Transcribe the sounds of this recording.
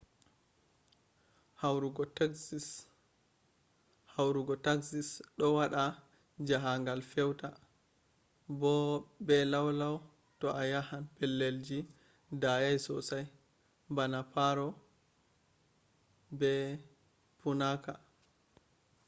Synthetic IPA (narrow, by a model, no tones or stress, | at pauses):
hawɾuɡɔ | hawɾuɡɔtaksisɗɔwaɗa | d͡ʒaɦaŋɡalfɛwta | bɔbɛlawlaw | tɔʔajahanpɛlːeld͡ʒi | dajajsɔ̰saj | banapaɾɔ | bɛ | punaka